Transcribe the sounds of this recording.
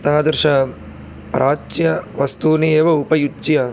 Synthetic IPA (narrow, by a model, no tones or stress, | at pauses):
t̪ɐɦɐd̪ɐɾʃɐ | pɾʔaːt͡ʃjɐʋɐst̪uːnieːʋɐupɐjut͡ʃːjɐ